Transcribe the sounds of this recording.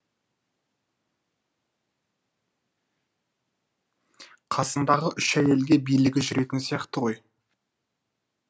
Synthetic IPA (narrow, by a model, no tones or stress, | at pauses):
qʰɑsənd̪ɑʁəʔʏʃæje̞lɡʲe̞bijlɪɡʲɪʒʏɾe̞t̪ɪnsijɑqt̪əʁo̞j